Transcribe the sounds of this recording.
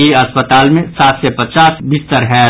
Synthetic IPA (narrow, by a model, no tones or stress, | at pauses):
iɐspət̪aːlmẽsaːt̪sepɐt͡ʃaːsbɪst̪əɾɦɛ